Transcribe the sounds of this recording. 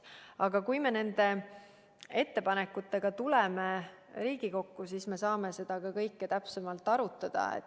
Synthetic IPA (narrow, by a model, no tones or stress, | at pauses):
ɑɡ̥ɑkujme̞ne̞nd̪̥e̞ | e̞t̪ːe̞pɑne̞kːˑut̪ːˑe̞ɡ̥ɑt̪uleme | ɾiːɡ̥iko̞kːusisme̞sɑːme̞se̞d̪̥ɑkɑkɤjkːet̪æpsemɑlt̪ːˑɑɾut̪ːˑɑd̪̥ɑ̰ḛt̪ː